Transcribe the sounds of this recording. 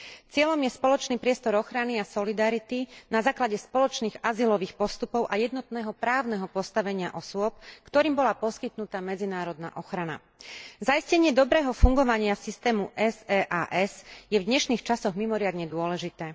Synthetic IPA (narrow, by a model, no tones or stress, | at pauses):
t͡sɪɛʎɔmjɛspɔlɔt͡ʃniːpɾɪɛst̪ɔɾɔxɾaniasɔlid̪aɾit̪inazaːklaɟɛspɔlɔt͡ʃniːɣazilɔʋiːxpɔst̪upɔʊʔajɛd̪nɔt̪nɛːɦɔpɾaːʊnɛɦɔpɔst̪aʋɛɲɪaʔɔsʊɔp̚kt̪ɔɾiːmbɔlapɔskit̪nut̪amɛd͡zinaːɾɔd̪na̰ʔɔxɾana̰ | zaiscɛɲɪɛd̪ɔbɾɛːɦɔfuŋɡɔʋaɲɪasist̪ɛːmuʔɛzɛːʔaːʔɛzjɛvd̪ɲɛʃniːxt͡ʃasɔɣmimɔɾɪad̪ɲɛd̪ʊɔlɛʒit̪ɛː